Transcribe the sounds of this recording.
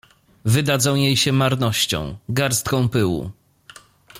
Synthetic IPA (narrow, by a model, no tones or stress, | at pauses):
vɘd̪ad̪zɔ̃w̃jejɕɛmaɾnɔɕt͡ɕɔ̰̃w̃ɡaɾst̪̚kɔ̃w̃pɘwṵ